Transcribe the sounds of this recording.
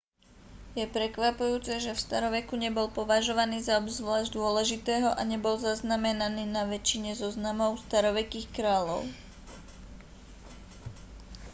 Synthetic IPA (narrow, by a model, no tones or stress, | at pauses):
jɛpɾɛkʋapujuːt͡sɛʒɛfst̪aɾɔʋɛkuɲɛbɔlpɔʋaʒɔʋaniːzaɔbzʋlaːʒɟd̪ʊɔlɛʒit̪ɛːɦɔʔaɲɛbɔlzaznamɛnaniːnaʋɛt͡ʃiɲɛzɔznamɔʊst̪aɾɔʋɛkiːxkɾaːʎɔ̰ʊ